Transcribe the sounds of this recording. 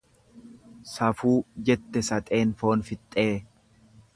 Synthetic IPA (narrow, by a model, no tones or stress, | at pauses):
sɐfuːd͡ʒɛt̪ːɛsɐt̪ʼe̞ːnfo̞ːnfɪt̪ʼːe̞ː